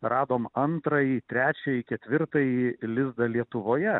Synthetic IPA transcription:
rʔɑːd̪oːmɐnt̪ɾɐjiːt̪ʲɾʲæːt͡ʃʲɛjikʲɛt̪ʲʋʲɪɾt̪ɐjilʲɪzd̪ɐlʲiɛt̪ʊʋoːjɛ

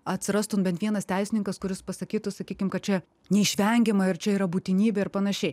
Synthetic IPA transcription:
ɐt̪ʲsʲɪɾɐst̪ʊmbʲɛnt̪ʋʲiɛnɐst̪ʲæɪsʲɪnʲɪŋkɐskʊɾʲɪspɐsɐkʲiːt̪ʊsɐkʲiːkʲɪmkɐt̪̚t͡ʃʲɛ | nʲɛɪʃʲʋʲɛŋʲɡʲɪmɐɪɾt͡ʃʲɛiːɾɐbuːt̪ʲɪnʲiːbʲɛɪɾpɐnɐʃʲɛɪ

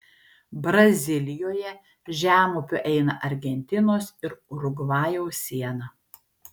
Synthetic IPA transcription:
bɾɐzʲɪlʲɪjoːjɛ | ʒʲæːmupʲʊʔɛɪnɐʔɐɾʲɡʲɛnʲt̪ʲɪnoːsɪɾɾʊɡʋɑːjoːsʲiɛnɐ

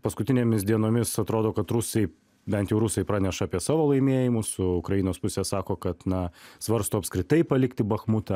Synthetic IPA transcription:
pɐskʊt̪ʲɪnʲeːmʲɪsd̪ʲiɛnoːmʲɪsɐt̪ɾoːd̪oːkɐt̪ɾʊsɐɪ | bʲɛnt̪jɛʊɾʊsɐɪpɾɑːnʲɛʃɐɑːpʲiɛsɑːʋoːlˠɐɪmʲiɛjɪmʊsʊʊkɾɐjɪnoːspʊsʲesɑːkoːkɐt̪nɐsʋɐɾst̪oːɐpskɾʲɪt̪ɐɪpɐlʲɪkt̪ʲɪbɐxmut̪ɐ

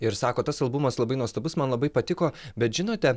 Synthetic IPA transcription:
ɪɾsɑːkoːt̪ɐsɐlˠbʊmɐslˠɐbɐɪnuɔst̪obʊsmɐnlˠɐbɐɪpɐt̪ʲɪkoːbʲɛt̪ʒʲɪnoːt̪ʲɛ

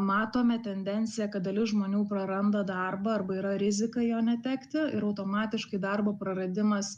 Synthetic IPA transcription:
mɑːt̪oːmʲɛt̪ʲɛnʲd̪ʲɛnʲtsʲɪjɛkɐt̪̚d̪ɐlʲɪʒmoːnʲuːpɾɐɾɐnd̪ɐd̪ɐrbɐɐrbɐiːɾɐɾʲɪzʲɪkɐjoːnʲɛt̪ʲæːkt̪ʲɪɪɾɐʊt̪oːmɑːt̪ʲɪʃkɐɪd̪ɐrboːpɾɐɾɐd̪ʲɪmɐs

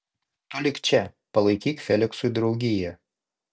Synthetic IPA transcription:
t̪olʲɪkt͡ʃʲɛ | pɐlˠɐɪkʲiːkfʲɛlʲɪksʊɪd̪ɾɒʊɡʲɪjɛ

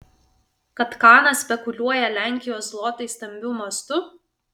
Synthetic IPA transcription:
kɐt̪kɑːnɐsʲpʲɛkʊlʲuɔjɛlʲæˑŋʲkʲɪjoːslˠɔt̪ɐɪsʲt̪ɐmʲbʲuːmɐst̪ʊ

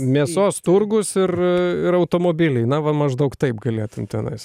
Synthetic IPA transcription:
mʲeːsoːst̪ʊrɡʊsɪrɪɾɐʊt̪oːmoːbʲɪlʲɛɪnɐʋɐmɐʒd̪ɐʊkt̪ɐɪpɡɐlʲeːt̪ʊmt̪ʲɛnɐ̰ɪs

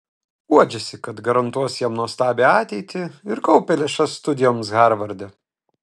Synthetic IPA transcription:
uɔd͡ʒʲɛsʲɪkɐt̪ɡɐɾɐnt̪uɔsjɛmnuɔst̪ɑːbʲeɑːt̪ʲɛɪt̪ʲɪɪɾkɐʊpʲɛlʲɛʃɐsːt̪ʊd̪ʲɪjoːmsɣɑɾʋɐɾʲd̪ʲɛ

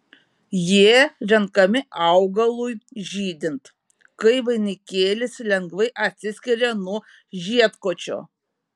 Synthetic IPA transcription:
jiɛɾʲɛŋkɐmʲɪʔɑʊɡɐlˠujʒʲiːd̪ʲɪnt̪ | kɐɪʋɐɪnʲɪkʲeːlʲɪslʲɛŋɡʋɐɪʔɐt̪ʲsʲɪsʲkʲɪɾʲɛnuɔ | ʒʲiɛt̪koːt͡ʃʲo̰ː

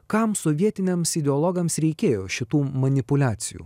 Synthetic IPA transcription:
kɐmsɔʋʲiɛt̪ʲɪnʲɛmsɪd̪ʲɛɔlˠɔɡɐmsɾʲɛɪkʲeːjoːʃʲɪt̪uːmɐnʲɪpʊlʲæːt̪sʲɪjṵː

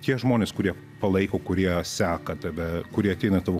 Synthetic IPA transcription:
t̪ʲiɛʒmoːnʲeːskʊɾʲiɛ | pɐlˠɐɪkoːkʊɾʲiɛsʲæːkɐt̪ɐʋʲɛkʊɾʲiɛɐt̪ʲɛɪnɐt̪ɐʋo

